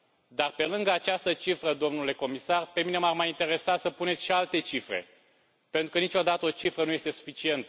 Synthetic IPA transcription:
d̪arpe̞lɨŋɡəat͡ʃast̪ət͡ʃifɾəd̪o̞mnule̞ko̞misarpe̞mine̞marmajint̪e̞ɾe̞sasəpunet̪sʃialt̪e̞t͡ʃifɾe̞̰ | pe̞nt̪ɾukənit͡ʃʲo̞d̪at̪əo̞t͡ʃifɾənuje̞st̪esu̥fit͡ʃie̞nt̪ə

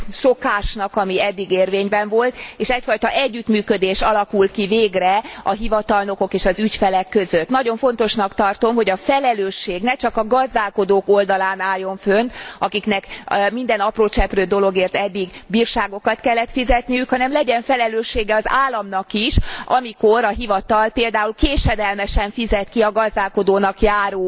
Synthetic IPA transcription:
so̞kaːʃnɒkɒmiɛd̪ːiɡeːrveːɲbɛɱvo̞lt̪eːʃɛcfɒjt̪ɒʔɛɟːyt̪myːkød̪eːʃɒlɒkulkiveːɡrɛɒɦivɒt̪ɒlno̞ko̞keːʃɒzycfɛlɛkːøzøt̪nɒɟo̞ɱfo̞n̪t̪o̞ʃnɒkt̪ɒrt̪o̞mɦo̞ɟɒfɛlɛløːʃːeːɡnɛt͡ʃɒkɒɡɒzd̪aːlko̞d̪oːko̞ld̪ɒlaːnaːjːo̞ɱfønt̪ɒkiknɛkmind̪ɛnɒproːt͡ʃɛprøːd̪o̞lo̞ɡeːrt̪ɛd̪ːiɡbiːrʃaːɡo̞kɒt̪kɛlːɛt̪fizɛt̪nijykhɒnɛmlɛɟɛɱfɛlɛløːʃːeːɡɛɒzaːlːɒmnɒkiʃɒmikoɾɒɦivɒt̪ɒlpeːld̪aːulkeːʃɛd̪ɛlmɛʃɛɱfizɛt̪kiɒɡɒzd̪aːlko̞d̪oːnɒkjaːɾoː

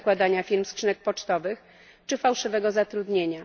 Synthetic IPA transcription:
kwad̪aɲafʲilmskʂɘnɛk̚pɔt͡ʂt̪ɔvɘx | t͡ʂɘfawʂɘvɛɡɔzat̪ɾud̪ɲeɲa

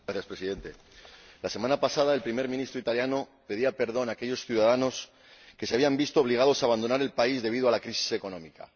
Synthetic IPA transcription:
aθjaspɾesiðe̞nt̪e̞ | lase̞mãnapasað̞ae̞lpɾime̞ɾmĩnist̪ɾo̞it̪aljanope̞ðiape̞ɾðo̞nake̞ʎo̞sθjuðaðano̞s | ke̞seaβiambist̪ooβ̞liɣ̞að̞o̞saːβand̪o̞naɾe̞lpaizðe̞β̞iðoalakɾisi̥se̞ko̞nõ̞mika̰

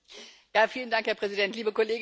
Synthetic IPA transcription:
jaːfiːləndaŋkhɛɐpʁ̥ɛzidɛntliːbəkoleːɡ

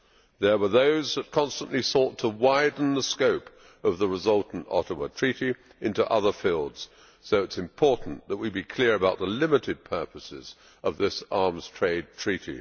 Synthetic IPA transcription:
ðə˞wə˞ðoʊzðət̚kʰɑ̃nstə̃nʔlisɔtʰəwaɪdⁿn̩ðəskoʊp | ʌvðəɹəzʌlˠʔn̩tɑ̰ɾəmətʰɹ̥iɾi | ɪ̃ntuʔʌðə˞filˠdz̥ | soʊɨtsɨ̃mpʰɔɹʔn̩ðət̚wibikʰl̥ɪɹɨbaʊt̪̚ðəlɪ̃mɨɾɨd̚pʰɜ˞pɨsɪz̥ | ʔʌvðɪsɑɹmz̥tʰɹ̥eɪd̚tʰɹ̥iɾḭ

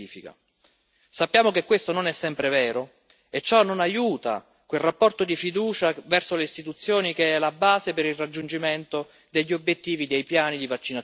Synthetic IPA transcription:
iːfika̰ | sapːjaːmokekːwest̪ononɛsːɛmpɾevɛːɾo | et͡ʃːɔnonajuːt̪a̰ | kwelrapːɔrt̪od̪ifid̪uːt͡ʃavɛrsoleist̪it̪ut̪sːjoːnik̟eɛlabaːzepeɾilrad͡ʒːund͡ʒiment̪o | d̪eʎːiobjet̪ːiːvid̪ejpjaːnid̪ivat͡ʃːina

